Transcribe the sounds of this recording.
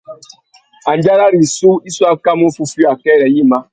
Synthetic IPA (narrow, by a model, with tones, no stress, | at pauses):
a˨n˨d͡ʒa˦ɾa˦ɾi˨su˦i˦su˦a˦ka˦mu˦fu˦fi˦a˨kɛ˦ɾɛ˨jĩ˦mã˦